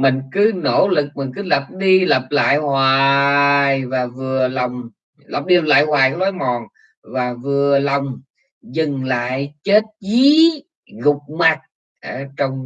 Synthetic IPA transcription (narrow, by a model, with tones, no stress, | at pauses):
mï˨˩ŋ̟kɨ˨˦no̰˧˥lɨ˨˩k̚mï˨˩ŋ̟kɨ˨˦lə˨˩p̚ɗi˧lə˨˩p̚la̰ː˧˨jhwaː˨˩jvaː˨˩vɨ˨˩ələ˨˩wŋ͡m | lə˨˩p̚ɗi˧lə˨˩p̚la̰ː˧˨jhwaː˨˩jkːlaː˨˦jmɔ˨˩n | vaː˨˩vɨ˨˩ələ˨˩wŋ͡m | zɨ˨˩ŋla̰ː˧˨jt͡ɕe˦˥t̚t͡ɕi˨˦ | ɣʊ˨˩k͡p̚ma˨˩t̚ | ʔəː˧˩˦t͡ɕɔ˧wŋ͡m